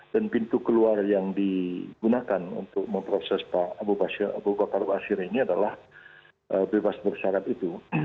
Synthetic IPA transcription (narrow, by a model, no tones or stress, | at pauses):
d̥anpint̪ukəluarjaŋdiɡunakanṵnt̪ʊk̚məmpɾosɛspaːbubasɪɾa̰bubakarbasɪɾiniadalah | ʔəbebasbərsaɾat̪it̪u